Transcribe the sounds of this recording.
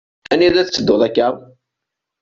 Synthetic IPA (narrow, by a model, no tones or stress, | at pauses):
æniðæθt͡sːəd̪ːoðˤækːəðˤ